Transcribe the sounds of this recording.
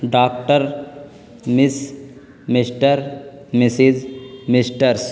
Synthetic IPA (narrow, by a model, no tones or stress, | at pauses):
ɖaːkʈəɾ | mɪs | mɪsʈəɾmesid͡ʒmɪsʈəɾs